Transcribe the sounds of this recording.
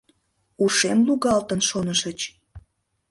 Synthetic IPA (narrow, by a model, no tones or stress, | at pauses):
uʃemluɣɑlt̪ənʃonəʃət͡ɕ